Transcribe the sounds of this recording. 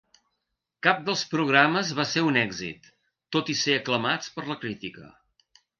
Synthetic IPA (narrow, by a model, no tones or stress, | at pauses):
kap̚d̪əlˠspɾuɣ̞ɾaməzβaseunɛɡzḭt̪ː | ot̪iseəkləmat͡spəɾləkɾit̪ikə̰